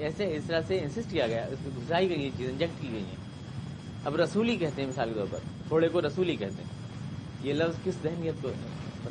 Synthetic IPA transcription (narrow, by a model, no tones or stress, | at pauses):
ɛːseɪst̪ɐɾaseɪ̃nsɪsʈkijaɡɐjaɪsẽɡʱʊzaːiɡɐiɦɛ̃t͡ʃiːzɪ̃nd͡ʒɛk̚ʈkiɡɐḭɦɛ̰̃ː | ɐbɾɐsuːlikɛɦt̪eɦɛ̃mɪsaːlket̪ɔ̰ːɾpɐ̰ɾt̪ʰoːɽekoɾɐsuːlikɛɦt̪eɦɛ̃ | jelɐʋzkɪszɛɦnijət̪̚ko